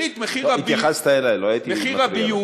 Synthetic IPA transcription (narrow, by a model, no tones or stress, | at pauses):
it̪meχiait̪jaχast̪aelajloajit̪ieiʁai